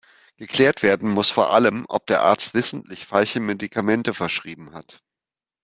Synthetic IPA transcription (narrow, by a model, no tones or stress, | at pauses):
ɡ̥əkl̥ɛːɐtv̥eːɐdn̩mʊsfoːɐʔaləmʔɔ̰p̚d̥eːɐʔa̰ːɐt͡stv̥ɪsn̩tlɪçfalçəmedikʰamɛntəfɛɐʃʁ̥iːbm̩hat